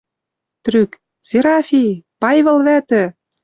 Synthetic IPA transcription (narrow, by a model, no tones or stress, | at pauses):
t̪ryk | seɾɑfʲipɑjβɤ̆lβæt̪ɘ̆